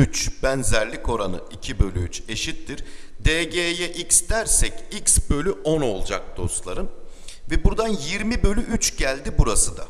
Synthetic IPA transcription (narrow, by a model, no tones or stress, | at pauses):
yt͡ʃb̥ænzæɾlʲiko̞ɾanɯ̰icʰibø̞lʲyyt͡ʃe̞ʃit̪ːiɾ̥d̪eɟejɛʔicsd̪æɾsɛcicsbø̞lʲyʔo̞no̞lˠd͡ʒak̚d̪̥o̞̰st̪lˠaɾɯmvɛbuɾd̪anjiɾmibø̞lʲyʔyt͡ʃɟælʲd̪ibuɾasɯd̪a̰